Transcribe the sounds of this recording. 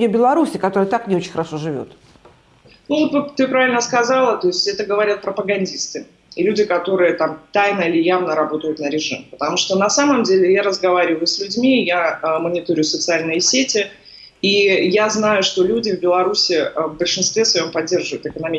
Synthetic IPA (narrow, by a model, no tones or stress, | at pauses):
obʲɪlˠɐɾusʲɪkɐt̪oɾəjət̪aknʲɪo̞t͡ɕɪnʲxəɾɐʂo̞ʐɨvʲo̰t̪ | nuvot̪vɨt̪ɨpɾavʲɪlʲnəskɐzalˠət̪o̞ɪsʲtʲɛt̪əɡəvɐɾʲat̪̚pɾəpəɡɐnʲdʲist̪ɨ | lʲudʲɪkɐt̪o̞ɾɨjət̪amt̪ajnəilʲɪjavnəɾɐbo̞t̪əjʊt̪nəɾʲɪʐɨ̰mpə̥t̪ɐmuʂt̪onɐsaməmdʲelʲɪjaɾəzɡɐvaɾʲɪvəjʊsʲlʲʉdʲmʲijamənʲɪt̪oɾʲɪʊjʊsət̪sɨalʲnɨjəsʲetʲɪ | ijaznajʊʂt̪o̞lʲudʲɪvbʲɪlˠɐɾusʲɪəvbəlʲʂɨnst̪vʲesvɐjo̞mpɐdʲːe̞rʐɨvəjʊt̪ɨkənɐmʲi